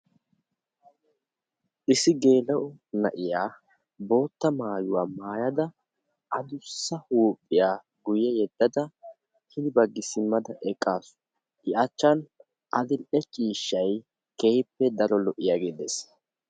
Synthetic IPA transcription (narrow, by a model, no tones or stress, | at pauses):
ʔɪsɪɡe̞ːlɐʔʊnɐʔɪjaː | bo̞ːt̪ːɐmaːjʊwaːmaːjɐd̪ɐ | ʔɐd̪ʊsːɐhuːpʼːɪjaː | ɡʊjɛjɛd̪ːɐd̪ɐ | hɪd̪ɪbɐɡːɪsɪmːɐd̪ɐʔɛkʼːaːsʊ̥ | ʔɪʔɐt͡ʃːɐn | ʔɐd̪ɪlʔɛt͡ʃʼiːʃːɐj | kehɪpːɛd̪ɐɾɔlɔʔɪjaːɡeːd̪es